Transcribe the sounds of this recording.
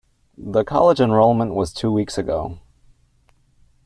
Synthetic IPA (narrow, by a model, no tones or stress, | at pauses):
ðəkʰɑ̰lˠəd͡ʒɨ̃nɹoʊlˠmə̃nʔwʌz̥tʰʉwiksɨɡoʊ